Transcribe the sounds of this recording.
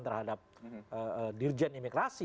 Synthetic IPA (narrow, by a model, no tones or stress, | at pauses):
nt̪ərhadap̚əədird͡ʒɛnimiɡɾasi